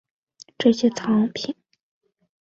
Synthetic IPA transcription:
ʈ͡ʂɤ˥˧ɕjɛ˥t͡sʰɑ˧˥ŋpʰi˨˩˦n

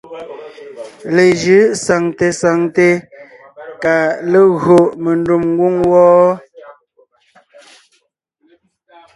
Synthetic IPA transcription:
le˨d͡ʒɯ˨˦sa˨ŋte˨sa˨ŋte˨ | ka˨le˦˨ɣo˨ʔme˨ndu˦˨mŋ˦ɡwu˦ŋwɔː˦

